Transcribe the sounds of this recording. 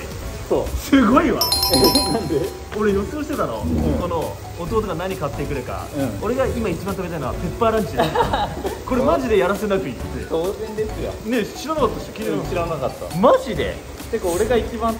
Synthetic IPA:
soːsɨɡo̞iβa̰nãnd̪e | oɾejo̞sɨɡoɕit̪e̞t̪ano̞̰okono̞ | ot̪oːt̪̬oɡanaɲ̟ikat̪ːekɯ̟ɾɯ̟kã̰o̞ɾe̞ɡaimait͡ɕibãnt̪amet̪ainoape̞pːaːɾãɲt͡ɕid̪e | ko̞ɾemaʑid̪e̞jaɾase̞nakɯ̟it̪ːsḛsoːzẽ̞nd̪e̞sɨjo̰ne̞ɕiɾanakat̪ːaɕkʲiɾeɕiɾanakat̪ːa̰maʑid̪e̞̰ | t̪ekao̞ɾe̞ɡait͡ɕibãn

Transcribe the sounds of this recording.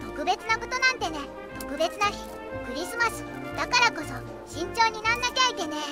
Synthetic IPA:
t̪o̞kɯ̟be̞t͡sɨnako̞t̪o̞nãnt̪e̞ne̞ | t̪o̞̥kɯ̟be̞t͡sɨnaçi | kɯ̟ɾʲisɨmasɨ̥ | d̪̥akaɾako̞so̞ | ɕĩɲ̟t͡ɕo̞ːɲ̟inãnːakʲait̪e̞ne̞

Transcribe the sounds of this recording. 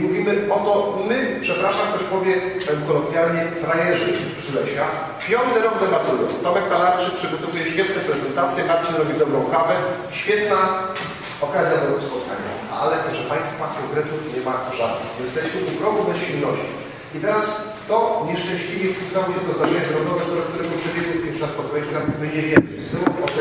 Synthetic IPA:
muvʲimɘɔt̪ɔmɘpʂɛpɾaʂamkt̪ɔɕpɔvʲjɛpɛwkɔlɔkʲjalɲɛfɾajɛʐɛpʂɘlɛɕa | pʲjɔnt̪ɘɾɔmd̪ɛbat̪t̪ujɔ̰t̪ɔmɛk̚t̪alaɾt͡ʂɘpʂɨɡɔt̪ɔvujɛɕfʲjɛt̪nɛpɾɛzɛnt̪at̪sʲjɛbaɾt͡ɕiɾɔbʲid̪ɔbɾɔ̃w̃kavɛ | ɕfʲjɛt̪na | ɔkazʲjad̪ɛɡɔspɔt̪̚kaɲa̰ | alɛʐɛpaj̃st̪fɔmat̪ʲjɔ̃wɡɾɛt̪ufɲɛmaʐad̪nɨ̰xvʲjɛnst̪ɛɕmɘʔuɡɾɔbnɛɕilnɔɕt͡ɕi | it̪ɛɾas | t̪ɔɲɛʂt͡ʂɛ̃ɲ̃ɕlʲivʲɛut̪awɔɕɛt̪ɔzd̪aʐɛɲaɾɔd̪ɔvɛt̪ɔɾɛk̚t̪uɾɛbɨupʂɛbʲjɛɡ̪wepʲjɛʂast̪ɔɡɾɛʒɡabbɘɲɛvʲjɛnɛjzɔɾuɔt

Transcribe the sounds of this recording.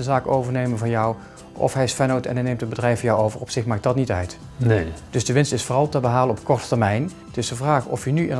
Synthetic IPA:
ənzaːkowvəɹnejmənvɑnjʌw | ʔɔ̰fɦɛjɪsfɛnotɛ̰nɦɛnejmtəbədrɛjfəjɔwowvərɔpsɪxmaːk̚dɑtnitœ̰ɥt | ned̥ɵzdəʋɪnstɪsfʊːrɑlˠtəbəɦaːlənɔpkɔɹtətɛɹmɛjn | tɪsdəvraːxɔ̰fjənyɪ̰n

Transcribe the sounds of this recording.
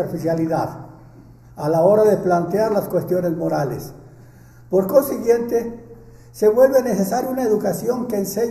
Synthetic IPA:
eɾfisjaliðað | alao̞ɾaðeplant̪eaɾlaskwe̞st̪jo̞ne̞zmo̞ɾalḛs | po̞ɾko̞nsiɣje̞nt̪e | se̞βwe̞lβenesesaɾjunaeðukasjo̞ŋkeːnseɲ

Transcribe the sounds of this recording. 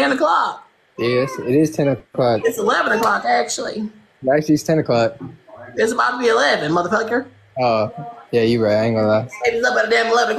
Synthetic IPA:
ɛ̃nɨkʰl̥ɑk̚ | jɛsɪɾɪz̥tʰɛ̃nɨkʰl̥ɑkɨtsəlɛvə̃nəkl̥ɑkæk̚t͡ʃul̩ˠḭ | ɾæk̚t͡ʃʉl̩ˠiɨz̥tʰɛ̃nɨkʰl̥ɑk̚ɪzəbaʊtʰəbiɨlɛvɨ̃nmʌðə˞pʰɛkə˞ | oʊjæjɨɹaɪtãŋɡolaeɪbzʌbʌɾdɛ̃əlɛvn̩ɨk

